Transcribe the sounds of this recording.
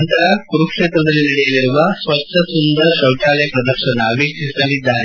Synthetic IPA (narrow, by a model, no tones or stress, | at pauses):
nt̪ɐɾɐkuɾukʂeːt̪ɾɐd̪ɐlːinɐɽɛjɐliɾuʋɐsʋɐkʈ̪ɐsund̪ɐɾʃɐwʈaːlɛjɐpɾɐd̪ɐɾʃɐnɐːbʱiːkisɐlid̪ːaːɾe